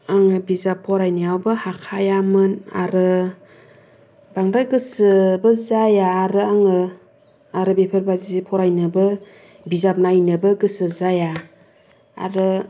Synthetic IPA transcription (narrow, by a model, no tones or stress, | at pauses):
aŋɯbizapʰːɔɾajnajawbɯhakʰajamɯna̰ɾɯ | baŋdaɡɯsəbəzajaːɾɯaŋɯ | aɾɯbepʰəɾbazizipʰɔɾajnɯbɯ | bizap̚najnɯbɯɡɯsɯzaja | a̰ɾɯ